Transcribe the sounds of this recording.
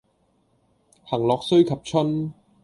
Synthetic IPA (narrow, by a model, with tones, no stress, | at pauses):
hɐ˨˩ŋlɔː˨k̚sɵ˥ɥkʰɐ˨p̚t͡ʃʰɵ˥n